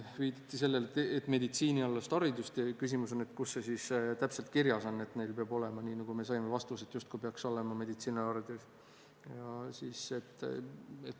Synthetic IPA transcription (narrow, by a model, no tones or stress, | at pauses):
viːd̪ɑt̪ːˑise̞lːelt̪et̪ːˑme̞d̪it̪siːnʲiɑlːest̪ɑɾid̪̥ust̪ɑkysimuso̞net̪kusːesiːst̪æpse̞lt̪̚kiɾjɑsɑnːe̞t̪ːne̞jlpeɑbo̞le̞mɑniːnɑɡ̥ume̞sɑjmevɑst̪uset̪ˑjust̪̚kujpeɑkso̞le̞mɑme̞d̪it̪siːnɑɑrd̪̥us | jɑsiːse̞t̪ː | et̪